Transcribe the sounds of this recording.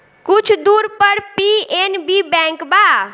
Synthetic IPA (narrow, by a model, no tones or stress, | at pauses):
kʊt͡ʃʰd̪uːɾpəɾpienbibɛ̃ŋkbaː